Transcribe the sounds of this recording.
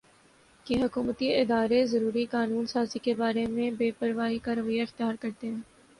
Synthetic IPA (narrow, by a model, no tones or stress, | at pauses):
keɦɐkuːmət̪iɪd̪aːɾezɐɾuːɾikaːnuːnsaːzikebaːɾemẽbeːpɐɾʋaːɦikaːɾəʋəiːaɪxt̪jaːɾkɐɾt̪eɦɛ̃ː